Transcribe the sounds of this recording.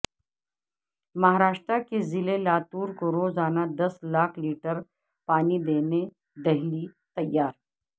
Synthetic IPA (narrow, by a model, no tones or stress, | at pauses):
mɐɦaɾaːʃt̪ɾakezɪlelaːt̪uːɾkoɾoːzaːnad̪ɐslaːkʰliːʈəɾ | paːnid̪eːne | d̪ɐɦlit̪ɐjːaːɾ